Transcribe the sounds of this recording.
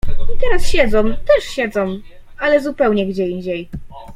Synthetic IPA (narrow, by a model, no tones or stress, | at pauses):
it̪ɛɾasɕɛd̪zɔ̃mt̪ɛʂɕɛd̪zɔ̃m | alɛzupɛwɲɛɡd͡ʑɛiɲd͡ʑej